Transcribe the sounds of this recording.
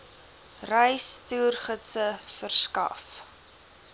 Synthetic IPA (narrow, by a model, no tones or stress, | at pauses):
rɛjstuːrχətsəfərskɐ̰f